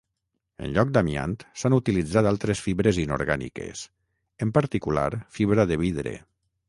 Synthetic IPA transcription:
ə̰nʎɔk̚d̪amia̰nt̪sanut̪ilid͡zat̪alˠt̪ɾesfiβɾezino̰ɾɣanḭkḛs | əmpəɾt̪ikula̰ɾfiβɾaðeβ̞iðɾḛ

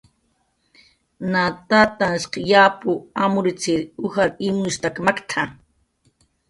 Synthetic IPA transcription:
nat̪at̪ansqjapʊamʊɾɪt͡sɪɾuxaɾɪmʊst̪akmakt̪ʰa

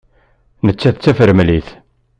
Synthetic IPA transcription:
nət͡sːæθt͡sːæfəɾmliθ

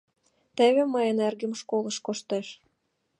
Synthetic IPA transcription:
t̪ĕβĕmɤjənerɡɘ̆mʃkolˠɤ̆ʃkoʃt̪eʃ

